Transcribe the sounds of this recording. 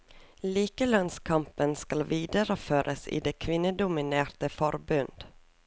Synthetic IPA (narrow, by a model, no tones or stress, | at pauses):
liːkəlɑnskʰɑmpənskɑlʋiːd̪əɾəføːɾʔəsḭːd̪eːkʰʋɪnːəd̪ʊmɪneːɾt̪əfɔɾbʉnd̪̥